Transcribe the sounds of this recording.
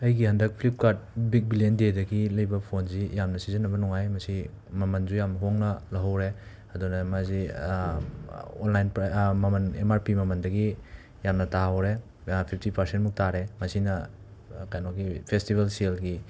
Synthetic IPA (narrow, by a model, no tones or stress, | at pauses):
ɐjɡiɦɐndɐk̚pʰlip̚kaɾt̚bik̚bilendedɐɡilɐjbɐpʰonzijamnɐsizinːɐbɐnuŋajmɐsi | mɐmɐnd͡ʒujamnɐɦoŋnɐlɐɦɐwɾe | ɐdunɐmazi | onlajnpmɐmɐnḛmaɾpimɐmɐndɐɡi | jamnɐtawɾe | pʰip̚ʰtipʰɐɾsentmuk̚taɾemɐsinɐ | kajnok̚ipʰestibʱelsielɡi